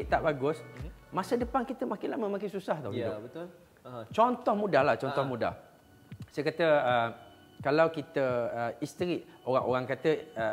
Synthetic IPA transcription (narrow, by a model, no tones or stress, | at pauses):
ɪʔt̪aʔbaɡʊsmasədəpankit̪əmakɪnlaməmãkɪnsusaht̪owidʊət̪l | t͡ʃɔnt̪ɔhmũdahlaht͡ʃɔnt̪ɔhmuda̰h | sajəkat̪əə | kalawkit̪əəist̪əɾiʔoɾaŋʔoɾaŋkat̪əə